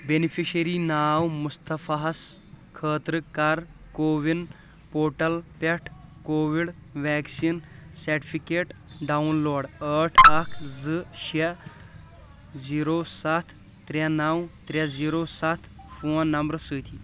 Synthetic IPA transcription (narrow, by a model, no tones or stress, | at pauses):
benipʰiɕɐɾiːnaːwmust̪ɐfɐɦɐskʰəːt̪ɾɨkɐɾkoːʋin | poːʈɐlpɐʈʰkoːʋiɽʋɛːksiːnsɐɾʈifʰikeːʈɖawnloːɽəʈʰɐkʰzɨʃe | ziːɾoːsɐt̪ʰ | t̪ɾanawt̪ɾʲɐd͡ziːɾoːsɐt̪ʰfoːnːɐmbɾsɨːt̪ʰiː